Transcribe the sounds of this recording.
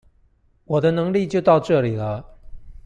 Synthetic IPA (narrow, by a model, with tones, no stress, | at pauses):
wɔ˨˩d̪ə˦nɤ˧˥ŋli˥˧t͡ɕjo˥˧ʊt̪ɑ˥˧ʊʈ͡ʂɤ˥˩li˨˩lə˦